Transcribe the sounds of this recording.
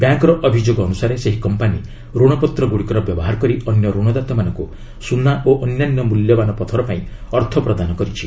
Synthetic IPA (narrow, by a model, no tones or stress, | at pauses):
bjaŋkɾɔʔɔbʱid͡ʒoɡɔːnusaɾeseɦikɔmpani | ɾuɽ̃ɔpɔt̪ɾɔɡuɽikɔɾɔbjɔbɔɦaɾkɔɾiɔnjɔɾuɽ̃ɔd̪at̪ɔmanɔŋku | sunaʔoʔɔnjanjɔmuljɔbanɔpɔt̪ʰɔɾɔpaĩɔɾt̪ʰɔpɾɔd̪anɔkɔɾit͡ʃʰi̥